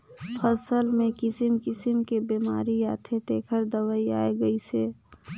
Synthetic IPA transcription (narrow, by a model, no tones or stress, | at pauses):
pʰəsəlmẽkɪsɪmkɪsɪmkebiːmaːɾijaːt̪ʰet̪eːkʰəɾd̪əwəia̰ːeɡəise